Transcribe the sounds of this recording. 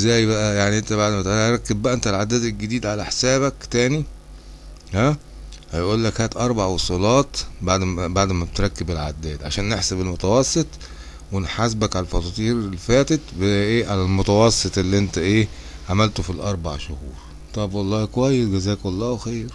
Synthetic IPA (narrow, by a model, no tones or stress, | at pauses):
zæːjbæʔæjaʕniʔent̪æβaʕd̪mæt̪ɾˤɑkːebːæʔæʔent̪ælʕad̪æːd̪elɡed̪iːd̪ʕalæħesæːbækt̪æːni | hæ | hæjʔuːlːækhæːt̪ʔɑɾˤbaʕwosˤulɑːt̪baʕd̪baʕd̪mæbet̪ɾˤɑkːebelʕa̰d̪ːæːd̪ʕa̰ʃæːnːeħsebelmot̪æwɑsˤːet̪ˤ | wenħasbækʕalælfɑt̪ˤɑt̪ˤiːɾlːifæːt̪et̪beʔeːʕalælmot̪æwɑsˤːet̪ˤʔelːiʔent̪æʔeː | ʕamælt̪ofilʔɑɾˤba̰ʕʃohuːɾ | t̪ˤɑbwɑlˤːɑːkwæjːesɡæzæːkwɑlˤːɑːwexiːɾ